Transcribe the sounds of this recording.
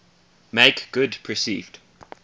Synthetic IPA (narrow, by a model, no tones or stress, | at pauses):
meɪkɡ̥ʊdpʰəsḭːvd̥